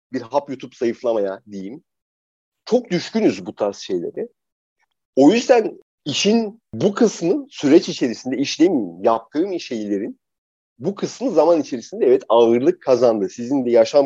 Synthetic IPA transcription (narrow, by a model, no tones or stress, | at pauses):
biɾɦapjut̪ʰupsajɯflˠamajad̪ejim | t͡ʃʰo̞k̚d̪yʃcynyzbut̪ʰaɾsʃe̞jlʲḛɾɪ | o̞jyzd̪æn | iʃin | bukʰɯsmɯsyɾɛt͡ʃit͡ʃʰe̞ɾisind̪ɛiʃlʲemijimjap̚t̪ʰɯːmiʃe̞jlʲe̞ɾin | bukʰɯsmɯzamanit͡ʃʰe̞ɾisind̪ɛɛvɛt̪aɯɾlˠɯkʰːazand̪ɯsizind̪ɛjaʃam